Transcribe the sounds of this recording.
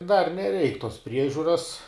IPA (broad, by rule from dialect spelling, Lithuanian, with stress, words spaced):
dɐr nʲɛˈrʲɛɪk toːs ˈpʲrʲiɛʒʲʊrɐs